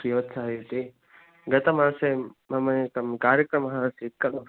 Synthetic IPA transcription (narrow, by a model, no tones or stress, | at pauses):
kiʋɐt̪ːsʰaːɦjut̪i | ɡɐt̪ɐmaːsemɐmɐt̪ɐmkaːɾjɐkɾɐmɐɦãsit̪̚kɐlu